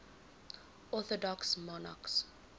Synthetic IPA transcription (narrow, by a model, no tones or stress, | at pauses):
ɔθɔdɔksmɔna̰ks